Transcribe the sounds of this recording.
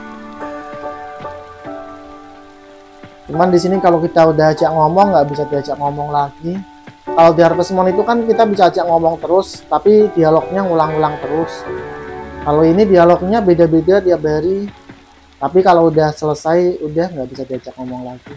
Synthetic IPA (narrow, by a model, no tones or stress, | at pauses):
t͡ʃumandisinikalokit̪audahat͡ʃaʔŋɔmɔŋɡaʔbisad̪iat͡ʃaʔŋɔmɔŋlaɡi | kalodiaɾpasəmuanit̪ukankit̪abisaːt͡ʃaʔŋɔmɔŋt̪əɾʊst̪apidialɔɡ̚ɲaŋulaŋulaŋt̪əɾʊs | kaloinidialɔk̚ɲabedabedadiabaɾi | t̪apikaloudahsələsajudahŋɡaʔbisat̪iat͡ʃaʔŋɔmɔŋlaɡi